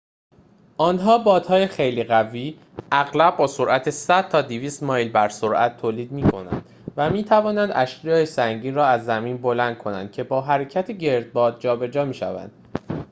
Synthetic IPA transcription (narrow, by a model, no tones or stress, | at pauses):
ʔɒːnɦɒːbɒːd̪hɒːjexe̞jliːɣæviː | æɣlæbbɒːsoɾʔæt̪ʰesæd̪̥̚t̪ʰɒːd̪iviːst̪mɒːjlbæɾsoɾʔæ̰t̪ʰːoːliːd̪miːkʰo̞̰næ̰nd̪̥ | væmiːt̪ʰævɒːnænd̪ʔæʃjɒːjesæŋɟiːnɾɒːæzːæmiːnbo̞lænd̪̥̚kʰo̞næ̰nd̪̥̚cʰe̞bɒːɦæɾe̞cʰæt̪ʰeɟe̞ɾd̪̚bɒːd̪̚d͡ʒɒːbe̞d͡ʒɒːmiːʃæ̰væ̰nd̪̥